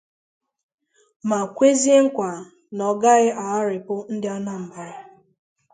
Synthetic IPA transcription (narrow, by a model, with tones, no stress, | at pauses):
ma˨kʷe˦ze˦ŋ̩˦kʷa˨ | nɔ˨ɡa˦ɣɪ˦ʔa˨a˦ɾɪ˨pʊ˦n̩˦dɪ˦a˦na˦m̩˨ba˨ɾɪ˨